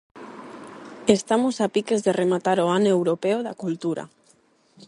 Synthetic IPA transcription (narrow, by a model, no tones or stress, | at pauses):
est̪amosapikezðeremat̪aɾoanewɾopeoðakult̪uɾa̰